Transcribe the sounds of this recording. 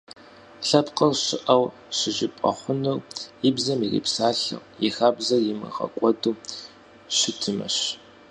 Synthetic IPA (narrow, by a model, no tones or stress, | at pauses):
ɬɐpqərɕɪʔɐw | ɕɪʑɪpʼɐ̰χʷʊnɨrɪbzɐmirḛːpsaːɬɨ̰ʁjɪxaːbzɐrjɪmɨ̰ʁɐ̰kʷʼɔduː | ɕɪtʰɨmɐ̰ɕ